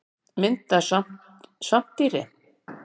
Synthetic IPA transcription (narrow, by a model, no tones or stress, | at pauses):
mɪnt̪asam | sam̥t̪iɾɪ